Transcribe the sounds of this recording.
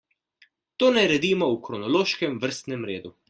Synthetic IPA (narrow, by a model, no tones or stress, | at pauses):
t̪oːnɛɾɛd̪iːmɔukɾɔnɔloːʃkɛmʋəɾst̪nɛmɾeːd̪u